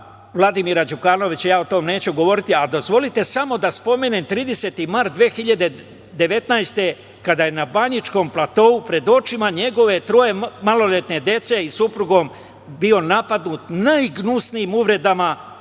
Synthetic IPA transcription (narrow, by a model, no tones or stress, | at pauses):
ʋlˠad̪imiɾad͡ʒukano̞ʋit͡ɕjaːot̪o̞mne̞ːt͡ɕuɡo̞ʋo̞ɾit̪iad̪o̞zʋo̞lit̪e̞samo̞d̪aspo̞me̞nemt̪ɾiːd̪e̞se̞t̪imaɾt̪d̪ʋeːxiʎad̪e̞ | d̪e̞ʋe̞t̪najst̪e̞ | kad̪ajenabaɲit͡ʃko̞mplˠat̪o̞upɾe̞d̪o̞t͡ʃimaɲe̞ɡo̞ʋe̞t̪ɾo̞je̞malo̞le̞t̪ne̞d̪je̞t̪se̞isupɾuɡo̞m | bio̞napad̪nut̪najɡnusniːmuʋɾe̞d̪ama